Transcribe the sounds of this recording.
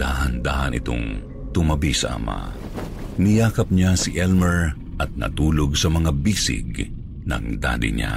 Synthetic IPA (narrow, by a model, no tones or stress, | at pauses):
d̪aːhɐnd̪aːhɐnɪ̰t̪o̰ŋ | t̪ʊmɐbisɐ̰ʔɐ̰ma̰ | nɪjaːkɐp̚ɲasiʔɛlmɛɹ | ʔɐt̪̚nɐ̰t̪uːloɡsɐmɐŋabiːsɪ̰ɡ | nɐ̰ŋd̪a̰ːlɪ̰ɲa̰